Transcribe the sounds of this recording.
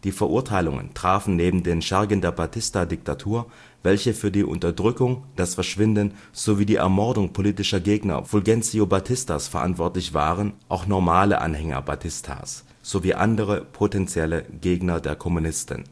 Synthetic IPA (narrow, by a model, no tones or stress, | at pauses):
d̥iːfɛɐʔuɐtʰaɪlʊŋə̰ntʁ̥aːfn̩neːbm̩deːnʃɛɐɡəndeːɐbatʰɪstadɪk̚tʰatʰuːɐ | vɛlçəfyːɐdiːʔʊ̰ntɐdʁʏkʊŋd̥asfɛɐʃv̥ɪndən | z̥oviːdiːʔɛ̰ɐmɔɐdʊŋpʰoliːtɪʃɐɡeːɡnɐ̰v̥ʊlɡɛnt͡siobatʰɪsta̰sfɛɐʔa̰ntv̥ɔɐtlɪçv̥a̰ːʁənʔaʊxnɔɐmaːlə̰ʔa̰nhɛŋɐ̰batʰɪstʰa̰ːs | z̥oviːʔa̰ndəʁ̞əpʰotɛnt͡sjɛləɡ̥eːɡnɐdeːɐkʰɔmunɪstə̰n̩